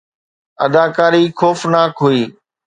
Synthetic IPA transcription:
ə̰d̪aːkaːɾiːxoːfnaːkɦuiː

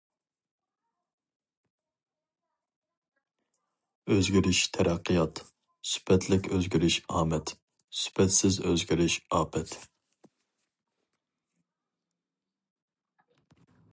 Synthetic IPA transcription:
øzɡʲiɾɪʃt̪ʰɛɾʔæqʰːɨjɑt̪ | sy̥pɛt̪ʰlɪkʲøzɡʲiɾɪʃɑːmɛt̪ | sy̥pʰɛt̪sɪzøzɡʲiɾɪʃɑːpʰɛt̪

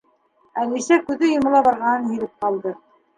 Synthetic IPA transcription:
ælisækʉðɘjŏmɑ̆lˠɑbɑɾʁɑnɤnhɵ̆jlɘp̚qɑlˠd̪ɤ

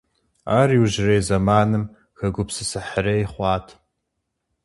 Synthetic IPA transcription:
aːriwuʒrejzɐmaːnɨm | xɐɡʷʊpsɨsɨħərɐjχʷɑːtʰ

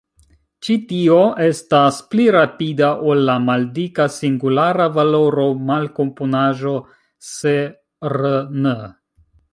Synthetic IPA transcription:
t͡ʃitio̞ʔe̞staspliɾapidaʔolːamaldikasiŋɡulaɾavalo̞ɾo̞malko̞mponaʒo̞ | se | ɾənə

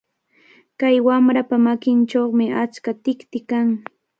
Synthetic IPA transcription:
kajwamɾapamakɪnt͡ʃoχmɪʔat͡ʃkat̪ɪkt̪ɪkaŋ

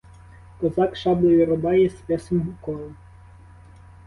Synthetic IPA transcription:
kɔzɑkʃɑblˠɔjɔɾɔbɑjɛspʲɛsɔmɦʊkɔlˠʊ

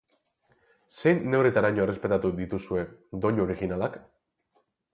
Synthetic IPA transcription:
se̞jnːe̞wɾet̪aɾaɲo̞e̞repe̞t̪at̪uðit̪usue̞d̪o̞ɲo̞ɾiɣinalak

